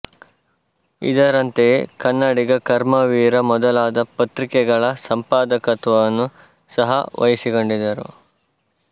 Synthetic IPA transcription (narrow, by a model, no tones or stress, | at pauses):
ḭd̪ɐɾɐnt̪ekɐnːɐɽiɡɐkɐɾmɐʋiːɾɐmɔd̪ɐlaːd̪ɐpɐt̪ɾikɛɡɐɭɐsɐmpaːd̪ɐkɐt̪ʋɐnːu | sɐɦɐ̰ʋɐ̰jɐsiɡo̞ɳɖid̪ɐɾṵ